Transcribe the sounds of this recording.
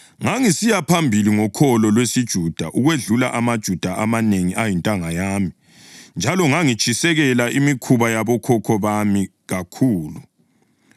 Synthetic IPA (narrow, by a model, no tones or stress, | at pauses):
ŋaŋisijapʰambʱiliŋɔkʰɔlɔlwesid̥ʒ̥ʱud̥ʱaʔuɣweɮula̰ʔamad̥ʒ̥ʱud̥ʱaʔamaneŋiʔajintʼaŋajaːmi | nd͡ʒʱalɔŋaŋit͡ʃʼʰisɛɣɛlaʔimikʰuβajaβɔkʰɔkʰɔβami | ɣakʰuːlu